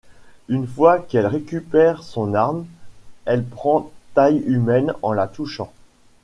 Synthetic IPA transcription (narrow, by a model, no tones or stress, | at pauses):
ynfwakɛlʁekʲypɛʁsɔ̃naʁm | ɛlpχɑ̃t̪ajymɛnɑ̰̃lat̪uʃɑ̃